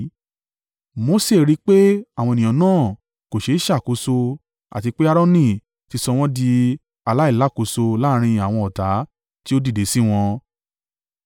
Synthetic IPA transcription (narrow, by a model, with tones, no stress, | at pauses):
mo˧˦se˦˨ɾi˦k͡pe˦a˨wɔ̃˧e˨nĩ˨ɔ̃˨nãː˦˨ | ko˨ʃe˨˧˦i˦ʃa˦˨ko˧so˧ | a̰˨ti˧k͡pe˦a˦ɾɔ˦nĩ˦˨ | ti˧sɔ˧w̃ɔ̃˦di˧ | a˧la˦i˦˨la˨˦˨ko˧so˧la˦˧ɾ̃ĩ˧a˨w̃ɔ̃˧ɔ˨ta˨˦ | ti˦o˦di˦˨de˨˦si˦w̃ɔ̃˧